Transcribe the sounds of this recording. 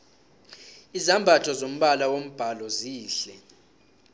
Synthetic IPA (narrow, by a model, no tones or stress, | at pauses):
izambʱatʰɔzom̩ɓalawom̩b̥ʱalɔziːɬɛ